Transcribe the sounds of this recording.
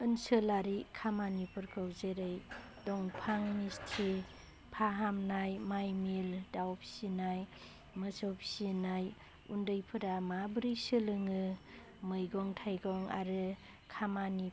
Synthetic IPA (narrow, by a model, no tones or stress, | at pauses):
ɯnsɯlaɾikʰamanipʰɯɾkʰɯwzeɾɯj | dɔŋpʰaŋnistʰi | pʰaɦamnajmajmildawp̚sinaj | mɯsɔwpsinaj | undɯjpʰɯɾamabɾijsɯlɯŋɯ | mɯjɡɔŋtʰajɡɔŋa̰ɾɯ | kʰamani